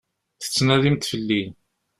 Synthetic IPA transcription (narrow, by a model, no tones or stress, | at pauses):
θə̥t͡sːnæðimt̪fəlːin